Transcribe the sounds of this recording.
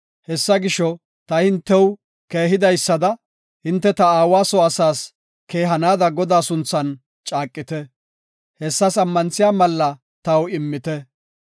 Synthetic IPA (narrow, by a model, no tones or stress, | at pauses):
hɛsːɐɡɪʃɔ | t̪ɐhɪnt̪ːɛw | keːɦɪd̪ɐjsːɐd̪ɐ | hɪnt̪ːɛt̪ɐaːwaːsɔɐsaːs | ke̞ːɦɐnaːd̪ɐɡɔd̪aːsʊnt͡sːɐn | t͡ʃʼaːkʼːɪt̪ɛ | hɛsːɐsɐmːɐnt͡sːɪjaːmɐlːɐ | t̪ɐwɪmːɪt̪ɛ